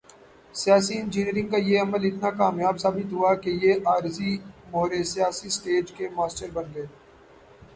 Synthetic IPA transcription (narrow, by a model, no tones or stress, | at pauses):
sɪjaːsiɪ̃nd͡ʒiniːɾɪ̃ŋɡ̚kajeɐməlɪt̪nakaːmjaːbsaːbɪt̪ɦuakejeʔaːɾzimoːɾesijaːsisʈeːd͡ʒkemaːsʈəɾbɐ̃nd̪ẽː